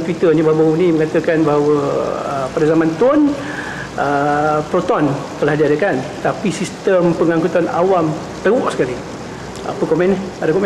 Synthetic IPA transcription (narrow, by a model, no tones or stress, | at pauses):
t̪wit̪ənibabəŋuniməŋat̪əkanbaɦawəə̰padazamãnt̪ʊn | əpɾot̪ɔnt̪əlahdiadakant̪apisist̪əmpəŋaŋkut̪ana̰wam | t̪əwɔʔsə̥kali | a̰pəkɔmɛ̃nɛadakɔmɛ